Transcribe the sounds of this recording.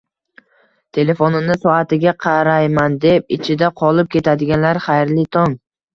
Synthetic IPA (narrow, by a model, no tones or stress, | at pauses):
t̪ʰe̞le̞fonɪnɪsɒat̪ɪɡʲaqʰɑɾajmand̪e̞p̚ɪ̰t͡ʃʰɪd̪aqʰɒlˠɪp̚kʲʰe̞t̪ʰad̪ɪɡʲanlaɾχajɾlɪt̪ʰɒŋ